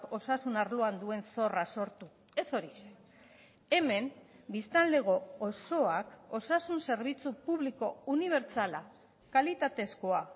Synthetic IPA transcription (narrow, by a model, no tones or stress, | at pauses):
ko̞sasunaɾloand̪ue̞nso̞raso̞ɾt̪u | e̞so̞ɾise | e̞me̞mbist̪anle̞ɣ̞o̞ːso̞ako̞sasunse̞ɾβ̞it͡supuβliko̞uniβ̞e̞ɾt͡sala | kalit̪at̪e̞skoa